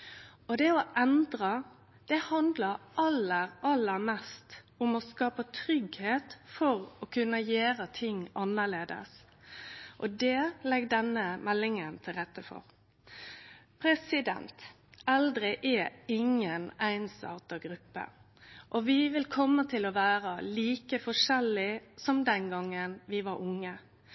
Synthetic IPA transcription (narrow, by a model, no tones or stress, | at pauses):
ɔd̪ɛɔʔɛnd̪ɾə | d̪̥ɛhɑnd̪ləɾʔɑlːəɾɑlːəɾmɛst̪ | ʊmɔskɑːpət̪ʰɾʏɡheːt̪fɔɾɔkʰʉnːəjeæːɾət̪ʰɪŋːɑnːəɭeːd̪ə̰s | ʔɔd̪ɛlɛɡd̪ɛnːəmɛlːɪŋənt̪ʰɪlɾɛt̪ːəfɔ̰ɾ | pʰɾɛsɪd̪ɛ̰nt̪ | ɑld̪ɾɪʔɛɪŋənæɪnsɑ̰ːt̪əɡɾʉpːə̰ | ʔɔʋɪʋɪlkʰɔmːət̪ʰɪlɔʋæːɾəliːkəfɔʂɛlːɪsɔmd̪ɛnɡɑŋːənʋɪʋɑɾʔʊŋːə